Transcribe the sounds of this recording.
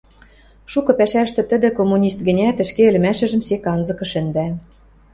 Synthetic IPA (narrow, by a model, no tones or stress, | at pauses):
ʃukɤ̆pæʃæʃt̪ɘ̆t̪ə̆d̪ɘ̆komːunʲist̪̚ɡɘ̆nʲæt̪ɘ̆ʃkeɘ̆lɘ̆mæʃɘ̆ʒɘ̆msekɑnzɤ̆kɤ̆ʃɘ̆nd̪æ